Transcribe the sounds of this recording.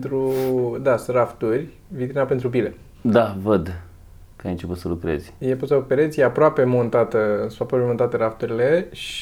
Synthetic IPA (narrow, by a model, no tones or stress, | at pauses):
ent̪ɾud̪asraft̪urʲ | vit̪ɾinape̞nt̪ɾup̬ile̞ | d̪avəd̪ | kajɨnt͡ʃeput̪səlukɾḛz̥ʲjeput̪səlupeɾezʲjeapɾoape̞mont̪at̪əsapɾapemo̞nt̪at̪əɾaft̪uɾileʃ